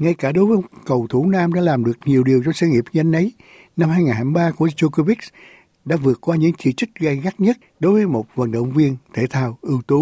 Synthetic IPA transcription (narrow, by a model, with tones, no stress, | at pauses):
ŋa˧jkaː˧˩ɗo˨˦jvəː˨˦kə˨˩wt̪ʰu˧˩naː˧mɗa̰ː˧˥laː˨˩mɗɨ˨˩ək̚ɲi˨˩əwɗi˨˩əwt͡ɕɔ˧ŋ͡msəː˧ŋi˨˩əp̚ɲə˧jŋ̟ʔə˨˦j | na˧mhaː˧jŋaː˨˩nhaː˧˩jɓaː˧ku˧˩ət͡ɕo˧ko˧vi˦˥k̚s | ɗa̰ː˧˥vɨ˨˩ət̚kwaː˧ɲɨ̰˧˥ŋt͡ɕḭ˧˥t͡ɕɨ˦˥k̟̚ɣa˧jɣa˦˥t̚ɲə˦˥t̚ɗo˨˦jvəː˨˦jmo˨˩t̚və̰˨˩nɗə̰˧˨wŋ͡mvi˧ənt̪ʰe˧˩t̪ʰaː˨˩wʔɨ˧wt̪u˨˧˦